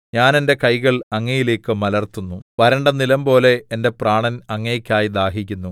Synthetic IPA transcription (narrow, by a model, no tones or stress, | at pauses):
ɲaːne̞nde̞kɐjɣɐɭɐŋːɐjile̞ːkːɨmɐlɐrt̪unːuʋɐɾɐɳɖɐnilɐmpo̞ːle̞ːnde̞praːɳɐnɐŋːekʲːaːjid̪aːɦikʲːunːu